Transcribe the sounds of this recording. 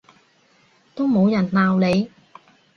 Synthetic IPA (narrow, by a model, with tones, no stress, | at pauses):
t̪o˥wmo˨˧wjɐ˨˩nlaː˨wle˨˧j